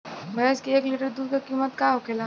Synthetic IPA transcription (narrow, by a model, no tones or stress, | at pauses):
mɐeskieːkliːʈəɾd̪uːɾkakiːmət̪kaɦokʰela